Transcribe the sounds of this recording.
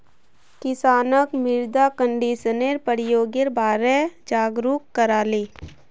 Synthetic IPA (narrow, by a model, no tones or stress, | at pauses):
kɪsaːnəkmɪɾd̪akəɳɖiːʃəneɾpəɾɪjoːɡeɾbʱaːɾɛd͡ʒaːɡɾuːkːəɾaːleː